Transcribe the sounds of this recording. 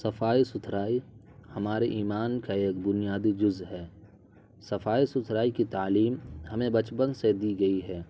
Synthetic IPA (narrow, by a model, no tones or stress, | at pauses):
sɐfaːisʊt̪ʰɾaːi | hɐmaːɾeʔiːmaːnkaeːk̚bʊnijaːd̪id͡ʒʊzɦɛː | sɐfaːisʊt̪ʰɾaːikit̪aːliːmhɐmẽbɐt͡ʃpə̃nɡsed̪iːɡɐiɦɛː